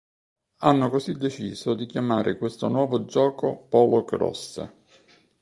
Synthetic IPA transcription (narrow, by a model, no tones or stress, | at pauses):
anːokozid̪ːet͡ʃḭːzod̪ik̟jamaːɾʔɪ̰kwest̪onwɔːvod͡ʒɔːkopɔlokɾɔ̰sːə̰